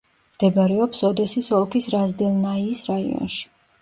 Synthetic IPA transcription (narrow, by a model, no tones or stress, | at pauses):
md̪̥ɛbaɾɛɔpsɔd̪ɛsisɔlˠkʰisɾazd̪ɛlˠnaiːsɾaḭɔ̰nʃi̥